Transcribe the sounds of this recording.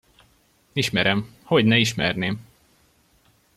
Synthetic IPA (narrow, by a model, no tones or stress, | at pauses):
iʃmɛɾɛm | hoɟnɛiʃmɛ̰rneːm